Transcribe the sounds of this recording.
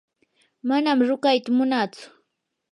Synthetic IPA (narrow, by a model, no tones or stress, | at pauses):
manamɾʊkajt̪amʊnaːt͡sʊ̥